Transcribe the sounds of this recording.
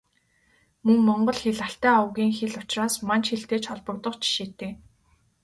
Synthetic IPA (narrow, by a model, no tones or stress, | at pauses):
mɵŋmɔɴɢɞ̆ɮxeɮaɬt̪æːʊwɣʲiːŋxeɮʊt͡ɕraːsmant͡ɕxeɬt̪eːt͡ɕɔɮpɞ̆kt̪ɞ̆qt͡ɕʰi̥ʃeːt̪eː